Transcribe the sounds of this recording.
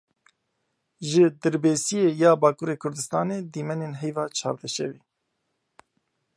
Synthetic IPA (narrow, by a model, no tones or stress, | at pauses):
ʒɨd̪ɨɾbeːsijejɑːbaːkuːɾeːkʰʊɾd̪ɨst̪ɑːneːd̪iːmɛneːnɦɛjvɑːt͡ʃʰɑ̰ːɾd̪ɛʃɛ̰viː